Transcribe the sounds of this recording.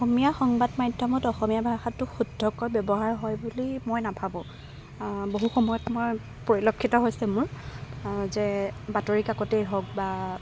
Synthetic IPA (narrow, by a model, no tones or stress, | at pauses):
ɔxɔmijaxɔŋbadmajdʱɔmɔtɔxɔmijabʱaxatːʊxudʱːɔkɔjbjɔbɔɦaɹɦɔjbulimojnapʰabʊ̃ | boɦuxɔmɔjɔtmɔj | pɔɹilɔkʰːitɔɦojsɛmʊɹ | zɛbatoɹikakɔtejɦɔk̚ba